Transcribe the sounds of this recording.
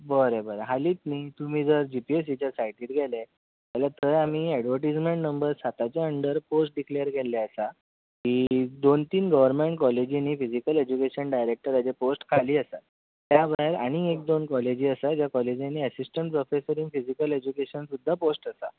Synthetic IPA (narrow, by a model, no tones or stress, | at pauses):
bəɾebəɾaɦaliːt̪̚niːt̪um̤iːd͡zəɾd͡ʑipies̬it͡ɕasajʈiːt̪ɡʱɛle | t̪alat̪əjam̤iːɛɖʋəɾʈ̬id͡zmeɳʈnəmbəɾsat̪at͡ɕjaəɳɖəɾposʈ̚ɖiklejəɾɡʱɛlaəsa | kiːd̪ont̪iːnɡəʋəɾmẽɳʈ̚kɔled͡ʑiniːfizikəled͡ʑukeɕənɖajɾek̚ʈəɾad͡ʑeposʈkʰaliːəsat̪ | t̪jabʱaɦeɾa̰ɽ̃iek̚d̪onkɔled͡ʑiːəsad͡ʑjakɔled͡ʑanːiəsisʈəɳʈ̚pɾofesəɾĩŋɡfid͡ʑikəled͡ʑukeɕənsud̪ʱːaposʈəsa